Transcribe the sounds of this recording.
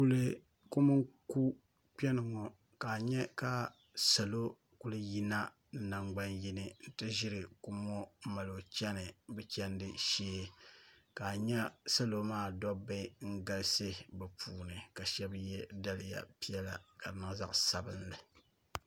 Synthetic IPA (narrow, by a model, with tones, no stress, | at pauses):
ku˦lɨ˦ | ko˦mɨ˦ŋku˦ | k͡pɛ˦nɨ˨ŋɔ˨ | ka˨ɲɛ˦ka˨ | sa˨lo˦ | ku˦lɨ˦ji˦na˦ | na˨ŋ͡mɡ͡ba˦nji˦nɨ˦n̩˦tɨ˦ʒɪ˦ɾɨ˨ku˦mɔ˦ma˨lo˨t͡ʃɛ˦nɨ˨bɛ˦t͡ʃɛ˦ndɨ˨ʃeː˦ | ka˨ɲɛ˦sa˦lo˦maː˦˨dɔ˦ba˦ɪ˦ŋ̩˦ɡa˦lsɨ˦bɛ˨pʰuː˨nɨ˨ka˨ʃɛ˦bjɛ˦da˦lɪ˨ja̰˨pi˦jɛ˦la˨ka˨ɾnɨ˨˦za̰˦ʔsa˨bɨ˦nlɨ˨